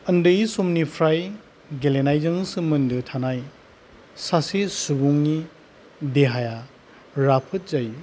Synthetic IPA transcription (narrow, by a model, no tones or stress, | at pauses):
ɐndɯjsumnipʰɾaj | ɡelenajzɯŋsɯmɯndɯtʰanaj | sasesubuŋni | deɦaja | ɾapʰɯt̚zaj